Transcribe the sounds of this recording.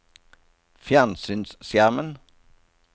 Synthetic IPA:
fjænsyːnssjæʁmən

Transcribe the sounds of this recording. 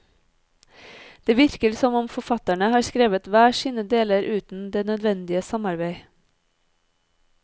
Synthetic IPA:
d̪̥eːʋɪɾkəɾsɔmɔmfɔfɑt̪æɳəhɑːɾskɾeːʋət̪ʋæːsiːnəd̪eːləɾʔʉːt̪n̩d̪eːnœd̪ʋɛnd̪ɪəsɑmɑɾbeɪ

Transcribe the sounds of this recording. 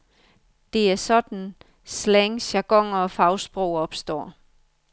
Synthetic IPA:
d̥e̝æɐsɒ̽d̥n̩ | sleŋɕɑɡ̥ɒ̽ŋ̰ɐɒ̽fɑ̈ʊsb̥ʁoʊ̰ɒ̽b̥sd̥ɒ̰ː

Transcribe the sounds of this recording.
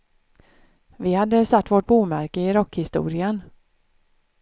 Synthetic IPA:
vɪhad̪ːəsat̪ːvoʈ̚buːmæɾkəɪɾɔkːhɪst̪ṵːɾɪən

